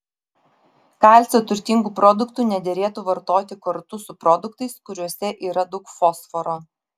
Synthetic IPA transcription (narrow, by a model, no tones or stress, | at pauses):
kɑˑlʲsʲoːt̪ʊɾʲt̪ʲiŋɡuːpɾɔd̪ʊkt̪uːnʲɛd̪ʲɛɾʲeːt̪uːʋɐɾt̪oːt̪ʲɪkɐɾt̪ʊsʊpɾɔd̪ʊkt̪ɐɪskʊɾʲuɔsʲɛʔiːɾɐd̪ɐʊkfɔsfɔɾoː